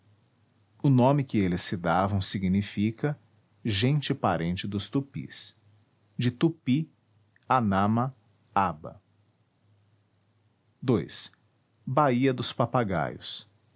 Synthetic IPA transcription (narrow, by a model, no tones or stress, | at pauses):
ʊnõmɪkɪelɪsɪd̪avɐ̃w̃siɡnifikɐ | ʒẽnt͡ʃɪpaɾẽnt͡ʃɪd̪ʊst̪upḭs | d͡ʒɪt̪upi | anɐ̃mɐ | abɐ̰ | d̪ojs | baiɐd̪ʊspapaɡa̰jʊ̰s